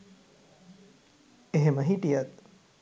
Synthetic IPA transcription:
eɦemɐɦiʈijɐt̪̚

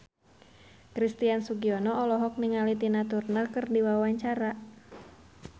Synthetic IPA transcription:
kɾist̪iansuɡiɔnɔɔlɔɦɔk̚niŋalit̪inat̪urnəlkɨrdiwawaɲt͡ʃaɾa

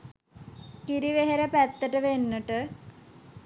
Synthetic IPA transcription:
kiɾiʋeɦeɾəpæt̪ːəʈəʋenːəʈə

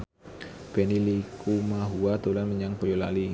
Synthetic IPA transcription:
b̥enilikumaɦuat̪ulanməɲaŋpojola̰li

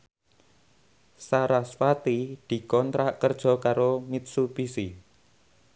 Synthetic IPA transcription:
saɾaswat̪id̪̥i̤kɔnt̪ɾaʔkərd̥ʒ̥ɔ̤kaɾomit̪̚supisi

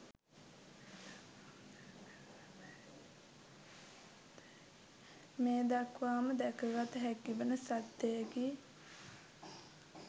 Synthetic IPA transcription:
meːd̪akʋaːməd̪ɛkəɡat̪əɦækːiʋənəsat̪ːejəɡi

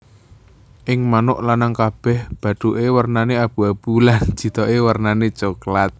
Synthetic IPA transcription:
ʔɪŋmanʊʔlanaŋkab̥ɛhb̥ä̤ɖ̪̥uʔewərnaneab̥ṳab̥ulan̥d͡ʒ̥i̤t̪ɔʔewərnanet͡ʃoklat̪̚

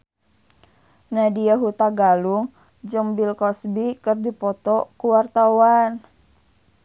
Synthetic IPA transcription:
nadiaɦut̪aɡaluŋ | d͡ʒɨŋbilkɔsbikərdipɔt̪ɔkuwart̪awan

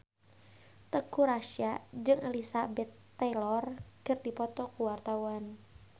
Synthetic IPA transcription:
t̪əkuɾaʃiad͡ʒɨŋɛlisabɛt̪ːɛlɔrkɨrdipɔt̪ɔkuwart̪auan

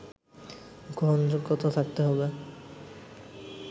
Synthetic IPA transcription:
ɡɔnd͡ʑoɡɔt̪ʰot̪ʰak̚t̪eɦɔbe

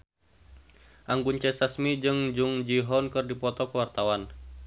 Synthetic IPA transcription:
ʔaŋɡuɲt͡ʃɛsasmid͡ʒɨŋd͡ʒuŋd͡ʒiɦɔnkɨrdipɔt̪ɔkəwart̪awan

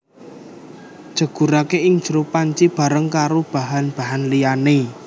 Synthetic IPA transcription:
d̥ʒ̥ə̤ɡ̥ṳɾakeʔɪŋd̥ʒ̥ɾopaɲt͡ʃib̥a̤ɾəŋkaɾob̥a̤ɦanb̥a̤ɦanlijane

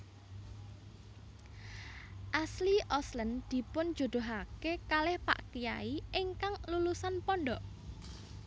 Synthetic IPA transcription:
ʔasliʔɔslənd̪̥i̤pʊnd̥d͡ʒ̥o̤d̪̥o̤ɦakekalɪhpa̰ʔkijaiʔɪŋkaŋlulusanpɔnɖɔʔ

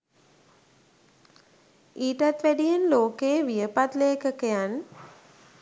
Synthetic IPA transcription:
iːʈat̪ʋæɖijenloːkeːʋijəpat̪leːkəkejan

